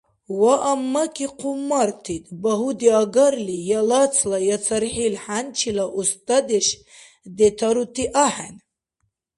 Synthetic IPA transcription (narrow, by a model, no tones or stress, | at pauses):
waʔamːakʰiqʰumːart̪ʰit̪baɦud̪iaɡaɾlijalat͡sʰlajat͡sʰaɾħilħant͡ʃʰilaʔust̪ʼad̪eʃ | d̪et̪ʰaɾut̪ʰiʔaħa̰n